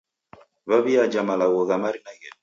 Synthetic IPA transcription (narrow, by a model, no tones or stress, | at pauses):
βaβijad͡ʒamalawoðamaɾinaɡɛ